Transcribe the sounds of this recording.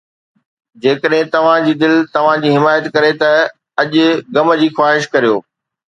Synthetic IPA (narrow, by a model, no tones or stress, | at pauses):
d͡ʑeːkəɗɦɪ̃t̪ɐʋ̤ãd͡ʑiːd̪ɪlt̪ɐʋ̤ãd͡ʑiːɦɪmaːjət̪kɐɾet̪ɐ | ɐʄʊ̆ɡɐmə̆d͡ʑiːxwaːɦɪʃkɐɾijoː